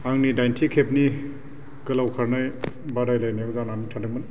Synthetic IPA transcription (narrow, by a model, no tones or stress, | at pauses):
aŋnidajntʰikʰep̚ni | kɯlawkʰaɾnaj | badajlajnajakzananitʰadamɯn